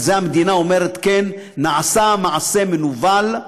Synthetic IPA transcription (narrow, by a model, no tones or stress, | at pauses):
zeamed̪inao̞me̞ʁet̪kenː | aʕasamaʕase̞menuval